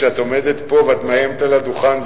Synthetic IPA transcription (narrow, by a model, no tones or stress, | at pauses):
eat̪omed̪et̪po̞vat̪majemt̪alad̪uχanz